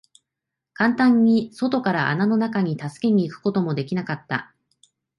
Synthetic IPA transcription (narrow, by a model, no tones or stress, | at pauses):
kãnt̪ãɲ̟ːiso̞t̪o̞kaɾaʔa̰nano̞nakaɲ̟it̪asɨ̥ke̞ɲ̟iːkɯ̥ko̞t̪o̞mo̞d̪e̞kʲinakat̪ːa̰